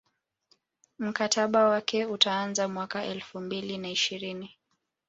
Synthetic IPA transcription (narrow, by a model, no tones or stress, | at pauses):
m̩katʰaɓawakɛutaːnzamwakaʔɛlfumbilinaiʃiɾini